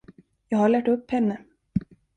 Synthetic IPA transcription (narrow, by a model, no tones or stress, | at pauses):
jɑːɡhaɭæːʈɵpːhɛnːə